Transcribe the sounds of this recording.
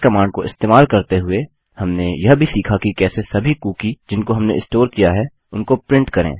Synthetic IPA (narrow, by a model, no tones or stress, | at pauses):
kɐmaːɳɖ̚koɪ̰st̪eːmaːlkɐɾt̪eɦʊe | hɐmnejɐɦbʱisiːkʰakikɛːsesɐbʱikuːkid͡ʒɪnkoɦɐmnḛɪsʈoːɾkijaɦɛ | ʊnkopɾɪ̃ɳʈkɐɾḛ̃ː